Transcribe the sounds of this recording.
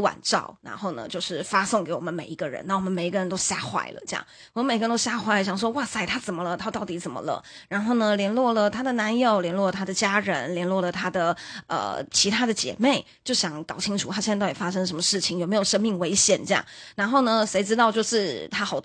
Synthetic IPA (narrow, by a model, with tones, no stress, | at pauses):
wa̰˨˩nʈ͡ʂɑ̰˥˩ʊɻa̰˧˥nxo˥˩ʊnə̰˩t͡ɕjo˥˧ʊʂɻ̩˥˩fa˥sʊ˥˩ŋke˧˥ɪwɔ˨˩mə˦nme˨˩ɪi˧˥ɡə˧ɻə̰˧˥na˥˩wɔ˨˩mə˦nme˨˩ɪ˧˥ɡə˧ɻə˧nt̪o˥ʊɕja̰˥˩xwa̰˥˩ɪlə̰˩ʈ͡ʂe˥jɑ̰˥˩ŋ | wm˧˦nme˨˩˧nt̪o˥ɕja˥˧xwa˥˩ɪlə˧˩ɕjɑ˨˩ŋʂ̬wɔ˥wa˥˩sa˥˩ɪt̪ʰa˥t͡sə˨˩nmə˦lə˧˩t̪ʰa˥t̪ɑ˥˩ʊt̪i˧˥t͡sə˨˩nmə̰˦lə̰˧˦ɻa˧˥nxo˥˩ʊnə˩ljɛ˧˥nlwɔ˥˩lə˩t̪ʰa˥d̪ə˨na˧˥njo˧˩ʊljɛ˧˥nlwɔ˥˩lə˩t̪ʰa˥d̪ə˨t͡ɕja˥ɻə˧˦˥nljɛ˧˥nlwɔ˥˩lə˩t̪ʰa˥d̪ə˨˩ə̰˨˩t͡ɕʰi˧˥t̪ʰa˥d̪ə˨t͡ɕjɛ̰˨˩˦me˥˩ɪ | t͡ɕjo˥˩ʊɕjɑ˨˧˥ŋkɑ˨˩ʊt͡ɕʰi˥ŋʈ͡ʂʰu˨˩t̪ʰa˥i˥˧t̪i˨˩fa˥ʂɤ˥ŋə˩ʂmə˧ʂɻ̩˥˩t͡ɕʰi˨˩ŋjo˨˩ʊme˧˥jo˨˩ʊʂə˥ŋmi˥˩ŋwe˧˥ɪɕjɛ̰˨˩nʈ͡ʂjɑ̰˥˩ŋɻa˧˥nxo˥˩ʊnə˩ʂe˧˥ɪʈ͡ʂɻ̩˥t̪ɑ˥˧ʊt͡ɕjo˥˧ʊʂɻ̩˥˩t̪ʰa˥xɑ˨˩ʊ